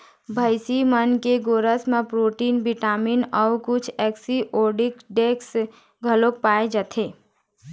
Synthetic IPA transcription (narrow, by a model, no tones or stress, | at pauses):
bʱəɪsimənkeɡoːɾəsmẽpɾoːʈiːnbɪʈaːminɔːkʊt͡ʃʰɛːksiʔoːɖɪkɖeːks | ɡʱəlok̚paːed͡ʒat̪ʰeː